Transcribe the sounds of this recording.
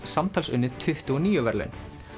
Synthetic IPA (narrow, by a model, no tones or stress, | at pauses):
samt̪ʰaːlsʏ̰nːɪɾt̪ʰʏht̪ʏɔniːjʏvɛɾlʏ̰n